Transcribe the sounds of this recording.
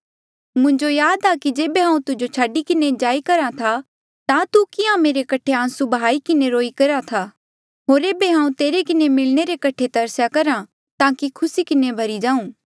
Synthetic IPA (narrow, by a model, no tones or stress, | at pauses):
mʊ̃ɲd͡ʒojaːd̪akid͡ʒeːbeɦãːũt̪ʊd͡ʒot͡ʃʰaːɖikɪned͡ʒaːikɐɾat̪ʰa | t̪ãt̪ukɪãmeːɾekɐʈʰeãːsubɦaːikɪneɾoːikɐɾat̪ʰa | ɦoːɾeːbeɦãːũt̪eːɾekɪnemɪlneɾekɐʈʰet̪ɐɾsjakɐɾã | t̪ãːkikʰʊsikɪnebʱɐɾid͡ʒaːũː